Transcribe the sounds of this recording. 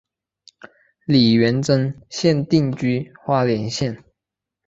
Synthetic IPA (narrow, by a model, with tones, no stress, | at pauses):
li˨˩ɥɛ˧˥nʈ͡ʂə˥nɕjɛ˥˨nt̪i˥˨ŋt͡ɕy˥xwa˥ljɛ˧˥nɕjɛ˥˨n